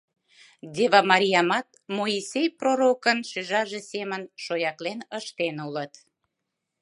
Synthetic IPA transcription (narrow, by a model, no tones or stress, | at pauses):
d̪ʲeβɑmɑɾʲijɑmɑt̪̚moisʲejproɾokənʃyʒɑʒesemənʃojɑklenəʃt̪enulət̪